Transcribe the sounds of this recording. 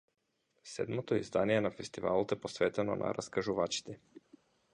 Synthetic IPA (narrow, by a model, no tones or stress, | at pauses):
sɛ̰d̪mɔt̪oizd̪anijɛnafɛst̪iva̰lˠɔt̪ɛpɔsvɛt̪ɛnɔ̰na̰ɾaskaʒuvat͡ʃi̥t̪ɛ